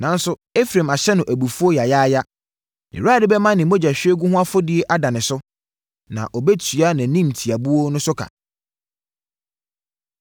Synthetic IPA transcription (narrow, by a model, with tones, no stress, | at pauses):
nã˨˦n˦sʊ˦e˦fɾã˨ma˨ɕɛ˦nʊ̃˨ʔæ˨bu˨fu˦o˦ja˨ja˦ja˦ | ḭ˨ɾaː˦˨dɪ˦bɛ˦mã˦nɪ̃˨mo˦d͡ʑa˨ɕᶣɛ˦ɡu˦ɦʊ̃˦a˦fʊ˦dɪ˦e˦ʔa˦da˨nɪ̃˨sʊ˦ | nã̰˨ʔɔ˨bɛ˦tʰɥa˦nã˨˦nĩ˦mtʰi˨a˨bu˦wo˦nʊ̃˦sʊ˦kʰa̰˨